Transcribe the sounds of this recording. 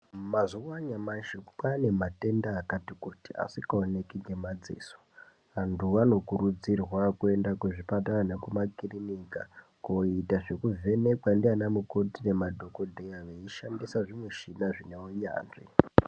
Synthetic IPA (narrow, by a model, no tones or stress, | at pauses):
mazuwaɲamaʃikpane̞mate̞ndaːkatikutia̰sikaone̞kiŋɡemad͡zḭːso̥ | ɦantʰuʋano̞kurud͡zirwakue̞ndakuʐipatananekumakirinika | koitaʐe̞kuve̞ne̞kwandianamukotine̞madʱo̞kodʱejaʋeiʃandisaʐimwe̞ʃinaʐineoɲa̰ːnʐḭ